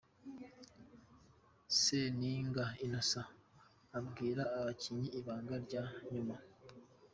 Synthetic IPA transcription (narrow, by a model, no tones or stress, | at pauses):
seniːŋɡainasaː | bɡiːɾaːβaciɲiʔːβaːŋɡaɾɟaːɲuma